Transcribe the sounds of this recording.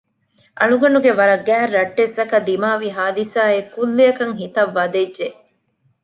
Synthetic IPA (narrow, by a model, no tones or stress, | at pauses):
ʔɐnuɡɐnuɡeʋɐɾɐɡæːrːɐʈːesɐkɐd̪imaːʋiɦaːd̪isaːekːulːijɐkɐŋɦit̪ɐʋːɐd̪ed͡ʒʒe